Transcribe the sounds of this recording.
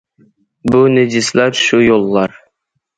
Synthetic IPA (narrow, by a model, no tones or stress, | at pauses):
buned͡ʒɪslæɾʃujolˠːɑɾ